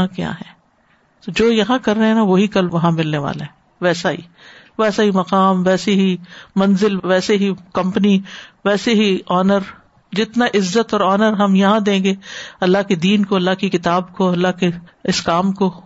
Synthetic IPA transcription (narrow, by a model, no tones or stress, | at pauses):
ãkja̰ːɦɛ̃ː | t̪od͡ʒoːjɐɦãkɐɾːɐɦɛ̃naʋoːɦikɐlʋɐɦãmɪlneʋa̰ːla̰ɦɛː | ʋɛːsaɦḭ | ʋɛːsaɦimɐqaːmʋɛːseɦimɐ̃nzɪlʋɛːseɦikɐ̃mpniʋɛːseɦiɔːnəɾ | d͡ʒɪt̪naʔɪzːət̪ɔːɾɔːnəɾɦɐmjɐɦãd̪ẽːɡeːɐlːaɦked̪iːnkoɐlːaɦkikɪt̪aːbkoɐlːaɦkeɪskaːmko